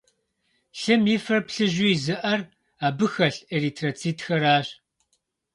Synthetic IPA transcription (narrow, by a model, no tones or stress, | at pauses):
ɬɨmjifrɐpɬɨʒujzɨʔɐr | aːbɨxɐɬeɾiːtʰrɐt͡sʰiːtxɐɾaːɕ